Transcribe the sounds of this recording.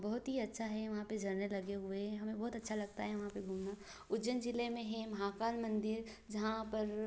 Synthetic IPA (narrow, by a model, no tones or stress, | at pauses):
bɐɦʊt̪ɦiɐtːʃʰaɦɛʋɐɦãped͡ʒʱɐɾnelɐɡeɦʊeɦɛɦɐmẽbɐːt̪ɐtːʃʰalɐɡ̚t̪aɦɛʋɐɦãpeɡʱuːmna | ʊd͡ʒənd͡ʒɪlemẽɦɛmɐɦaːkaːlmɐ̃nd̪ɪɾ | d͡ʒɐɦãpɐɾ